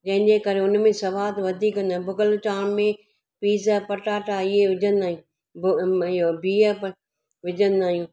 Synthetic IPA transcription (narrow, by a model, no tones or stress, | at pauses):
d͡ʑɐ̃ɦɪ̃ɲd͡ʑekɐɾeʊnmẽsɐʋaːt̪ʋɐd̪ʱiːkːɐ̃nd̪ãːbʊɡəlt͡ɕaːɽmẽ | piːzəpɐʈaːʈaɪɦeʋɪd͡ʑʱə̃nd̪aːɦĩ | bobʱiːəp | ʋɪd͡ʑʱə̃nd̪aːɦijũː